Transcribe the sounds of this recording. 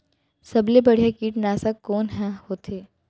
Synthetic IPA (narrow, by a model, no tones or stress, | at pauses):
sɐblebɐɽ̤ijakiːʈnaːsakoːnɦɛ̃hoːt̪ʰeː